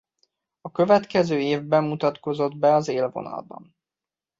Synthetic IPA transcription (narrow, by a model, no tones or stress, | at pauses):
ɒkøvɛt̪kɛzøːeːvbɛmːut̪ɒt̪ko̞zo̞d̪bɛɒzeːlvo̞̰nɒ̰lbɒ̰n